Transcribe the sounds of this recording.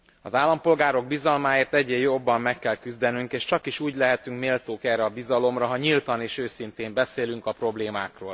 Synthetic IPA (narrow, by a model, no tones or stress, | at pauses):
ɒ̰zaːlːɒmpo̞lɡaːɾo̞ɡ̚bizɒlmaːeːrt̪ɛɟːeːjo̞bːɒmːɛkːɛlkyzd̪ɛnyŋkeːʃt͡ʃɒkiʃuːɟlɛɦɛt̪yŋkmeːlt̪oːkɛːrɛɒbizɒlo̞mrɒɦɒɲilt̪ɒneːʃøːsint̪eːmbɛseːlyŋkɒpro̞bleːmaːkro̰ːl